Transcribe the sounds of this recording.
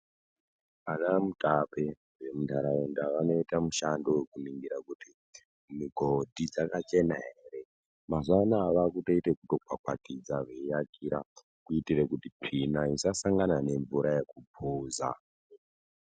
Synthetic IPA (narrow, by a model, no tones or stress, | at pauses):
anamutape | ʋemundʱaɾaundaʋano̞itamuʃandowekuniŋɡiɾakuti | miɡʱodʱid͡zakat͡ʃe̞naɦeeːre̞ | mazʷanaːʋakutoitekutokwakwa̰tid͡zaʐejakiɾa | kuitirekutipʰinaisasaŋɡanane̞ɱvuɾajekupʰuːza̰